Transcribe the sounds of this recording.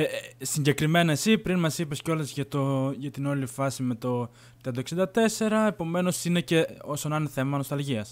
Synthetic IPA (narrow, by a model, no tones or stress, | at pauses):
esiɲɟe̞kɾime̞nɐesipɾinmɐsipesceo̞lɐzʝɐt̪oʝɐt̪ino̞lifɐsime̞t̪o | t̪eɐd̪ɐoksind̪ɐt̪e̞se̞ɾɐe̞po̞me̞no̞sine̞ce̞o̞sonɐneθe̞mɐno̞st̪ɐlʝiɐs